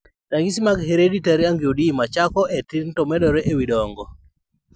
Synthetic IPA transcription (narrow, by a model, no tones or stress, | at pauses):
taŋɡisimaɡheɾeditaɾiaŋɡjodimat͡ʃakɔetɪntɔmɛdɔɾɛʔewidɔŋɡɔ